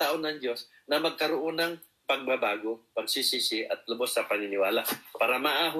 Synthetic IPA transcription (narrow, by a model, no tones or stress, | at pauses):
aʔonɐŋd͡ʒo̞s | nɐmɐɡ̚kɐɾoʔonɐŋ | pɐɡ̚mɐbaːɡo̞pɐɡ̚sisisɪʔɐt̪̚lʊbosːɐpɐnɪnɪwaːlaʔpaːɾɐmɐʔaːɦʊ